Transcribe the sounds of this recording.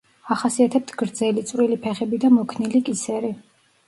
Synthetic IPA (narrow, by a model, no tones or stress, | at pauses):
aχasiat̪ʰɛp̚t̪ʰɡ̥ɾd̪zɛlit̪sʼɾilipʰɛχɛbid̪amɔkʰnilikʼisɛɾi